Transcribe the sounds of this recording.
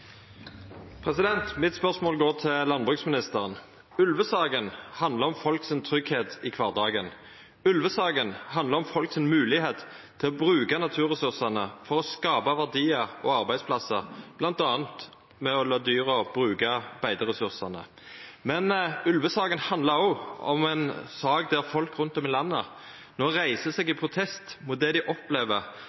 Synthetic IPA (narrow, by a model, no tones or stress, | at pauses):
pʰʁɛsɪd̪ɛnt̪mɪt̪spœʁsmoːlɡoːʁt̪ʰɪlɑnbʁʉksmɪnɪst̪əʁən | ʉlʋəsɑːɡənhɑnd̪ləʁɔmfɔlksɪnt̪ʰʁʏɡheːt̪ɪkʰʋɑːʁd̪ɑːɡən | ʉlʋəsɑːɡənhɑnd̪ləʁɔmfɔlksɪnmʉːlɪheːt̪ | t̪ʰːɪlɔbʁʉːkɑnɑt̪ʰʉːʁɛsʉʁsɑnəfɔʁɔskɑːbɑʋæʁd̪iːɑɔɑʁbæɪd̪spʰlɑsəʁb̥lɑnt̪ɑːənt̪ | mɛɔlɑːd̪yːʁəɔb̥ʁʉːɡɑbæɪd̪əʁɛsʉʁsɑnə̰ | mɛnʉlʋəsɑːɡənhɑnd̪lɑʁɔɔ̰mɛnsɑːɡd̪æɾfɔlkɾʉnt̪ɔmɪlɑnːə | noːʁæɪsəsɛɡɪpʰɾʊt̪ʰɛst̪mʊt̪̚d̪ɛd̪ɪʔɔpleːʋəʁ